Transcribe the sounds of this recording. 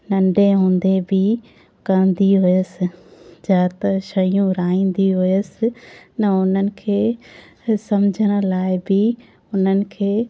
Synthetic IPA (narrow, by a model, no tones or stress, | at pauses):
nɐ̃ɳɖẽɦũːnd̪ebɪ | kɐ̃ə̃n̆d̪iɦʊjəsɪ̆d͡ʑaːt̪ɐʃɐijũɾaːĩːn̆d̪iɦʊjəsɪ̆nɐʊn̤ənɪ̆kʰeː | sɐmd͡ʑʱəɽ̃̆laːɪbɪ | ʊn̤ənɪ̆kʰeː